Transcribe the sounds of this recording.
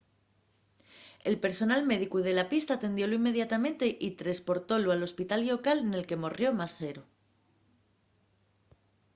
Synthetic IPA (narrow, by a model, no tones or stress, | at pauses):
e̞lpe̞ɾso̞nalme̞ðikuð̞e̞lapist̪aːt̪e̞nd̪jo̞loime̞ðjat̪amẽ̞nt̪e̞ʔit̪ɾaspo̞ɾt̪o̞loalo̞spit̪aljo̞kalene̞lke̞morjo̞mase̞ɾo